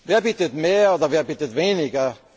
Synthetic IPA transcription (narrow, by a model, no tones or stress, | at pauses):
veːɐbitətmeːɐoːdɐʋeːɐbitətveːnɪɡɐ